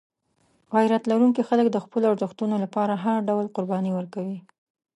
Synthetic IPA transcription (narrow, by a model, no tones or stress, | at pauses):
ɣɑjɾat̪laɾuŋkixaləkd̪əxpəloaɾzəxt̪unolapɑɾaɦaɾɖawlqʊɾbɑniwəɾkawi